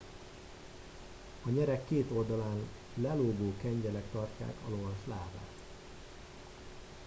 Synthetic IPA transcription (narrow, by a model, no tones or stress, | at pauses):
ɒɲɛɾɛkːeːt̪o̞ld̪ɒlaːn | lɛloːɡoːkɛɲɟɛlɛkt̪ɒrca̰ːkɒlo̞vɒʃlaːva̰ːt̪